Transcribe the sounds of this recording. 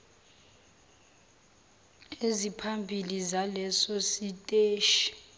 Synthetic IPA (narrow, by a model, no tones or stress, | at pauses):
ezipʰambʱilizalɛsositʼeːʃi̥